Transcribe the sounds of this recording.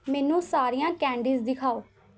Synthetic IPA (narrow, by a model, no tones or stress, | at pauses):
mɛːnũːsaːɾijãːkɛ̃ːɳɖiːzd̪ɪkʰaːoː